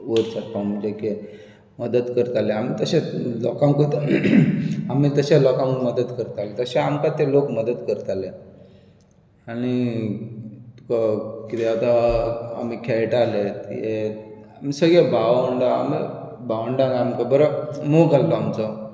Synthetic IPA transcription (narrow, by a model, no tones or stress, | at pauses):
ʋəɾt͡ɕaɾpam̤əd͡ʑeke | məd̪əd̪kəɾt̪aleamit̪əɕelɔ̰kãŋkot̪ | amit̪əɕalɔkãunməd̪ət̪kəɾt̪alet̪əɕeamkat̪elokməd̪əd̪kəɾt̪ale | añi | t̪u̥kakit̪eat̪aa̰mikʰɛʈalet̪eamisəɡɭebaʋəɳɖaa̰mḭ | baʋəɳɖanaamkabəɾəmokalt̪ɔamt͡sɔ